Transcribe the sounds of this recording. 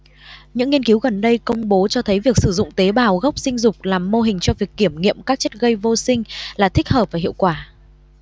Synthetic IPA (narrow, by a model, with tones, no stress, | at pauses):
ɲɨ̰˧˥ŋːi˧ənki˨˦wɣə˨˩nɗə˧jkə˧wŋ͡mɓo˨˦t͡ɕɔ˧t̪ʰə˨˦jvi˨˩ək̚sɨ˧˩zʊ̰˧˨ŋ͡mt̪e˨˦ɓaː˨˩wɣə˦˥wk͡p̚sï˧ŋ̟zʊ˨˩k͡p̚laː˨˩mːo˧ɦï˨˩ŋ̟t͡ɕɔ˧vi˨˩əkːi˧˩əmŋḭ˧˨əmkaː˦˥k̚t͡ɕə˦˥t̚ɣə˧jvo˧sï˧ŋ̟laː˨˩t̪ʰï˦˥k̚həː˨˩p̚vaː˨˩ɦḭ˧˨əwkwaː˧˩